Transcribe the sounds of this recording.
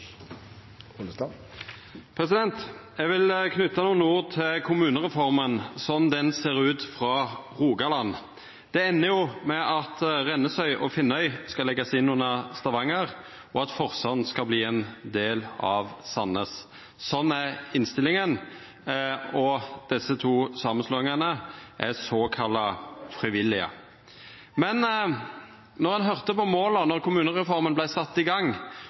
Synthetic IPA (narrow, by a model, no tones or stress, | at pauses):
pʰɾɛsɪd̪ɛnt̪jɛɡʋɪlkʰnʉt̪ːɑnuːənəuːɾt̪ʰɪlkʰʊmʉːnəʁɛfɔʁmənsɔmd̪ɛnseːʁʉːt̪fʁɑʁuːɡɑlɑnː | d̪̥ɛɛnːəjʊmɛʔɑt̪ʁɛnːəsœʏʔɔfɪnːœʏskɑlɛɡːɑsɪnːuːnɑst̪ɑʋɑŋːəʁ | ɔɑt̪fɔʁsɑnskɑbliːɛnd̪eːlɑʋsɑnːəs | sɔnːæɾɪnst̪ɪlːɪŋən | ɔd̪̥ɛsːət̪ʰuːsɑːmənsloːɪŋɑnəʔæsɔkʰɑlːɑfɾɪʋɪlːɪə̰ | mɛn | nɔʁɑnɦœʁt̪əpɔmoːlɑnɔʁkʊmʉːnəʁɛfɔʁɾmənblæɪsɑt̪ːɪɡɑŋ